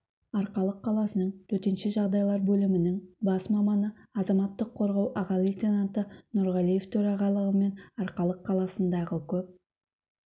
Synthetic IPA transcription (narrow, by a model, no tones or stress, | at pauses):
ɑɾqɑlˠəqʰːɑlˠɑsənəɴt̪ʰɵɾt̪ɪnʃɪʒɑʁd̪ɑjlˠɑɾbɵlɪmɪnɪŋbɑsmɑmɑnəɑzɑmɑt̪ːəqʰːo̞ɾʁɑwʔɑʁɑlˠit̪enant̪ənʊɾʁɑlˠije̞ft̪ʰɵɾɑʁɑlˠəʁəme̞nɑɾqɑlˠəqʰːɑlˠɑsənd̪ɑʁəkʲʰɵp̚